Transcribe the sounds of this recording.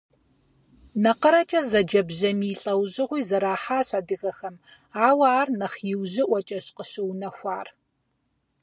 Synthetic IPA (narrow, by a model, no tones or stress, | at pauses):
nɐqəɾɐt͡ʃʼɐzɐd͡ʒɐbʑɐmiːɬʼɐwʑɪʁʷiːzɐɾaːħaːɕadɨɣɐxɐm | aːwaːrnɐχjɪwʑɪʔʷɔt͡ʃʼɐɕqəɕɪwnɐxʷaːr